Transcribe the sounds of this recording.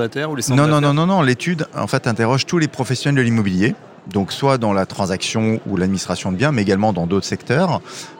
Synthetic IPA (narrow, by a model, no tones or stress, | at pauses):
at̪ɛʁulenɔ̃nɔ̃nɔ̃nɔ̃nɔ̃let̪ʰyd̪ɑ̰̃fɛt̪ɛ̃t̪eʁɔʒt̪ulepχɔfɛsjɔnɛld̪əlimɔbilje | d̪ɔ̃kswad̪ɑ̃lat̪χɑ̃zaksjɔ̃ulad̪̚minist̪χasjɔ̃d̪əbjɛ̃mɛeɡalmɑ̃d̪ɑ̃d̪ot̪χəsɛkt̪œːʁ